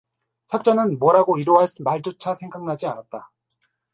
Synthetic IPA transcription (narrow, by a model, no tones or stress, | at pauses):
sʰʌk̚t͡ɕ͈anɯnmwʌɾaɡoiɾoɦaɭmaɭd͡ʑot͡ɕʰasʰe̞ŋɡaŋnad͡ʑiaɾat̚t͈a